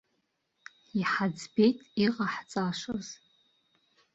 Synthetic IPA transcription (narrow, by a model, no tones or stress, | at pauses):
iħad͡zbe̞jtʼiqʼaħt͡sʼaʂoz̥